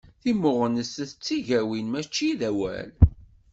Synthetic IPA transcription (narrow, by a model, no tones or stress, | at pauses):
θimːʊʁənəsθət͡sːiʝæwinmæt͡ʃːiðæwæ̰l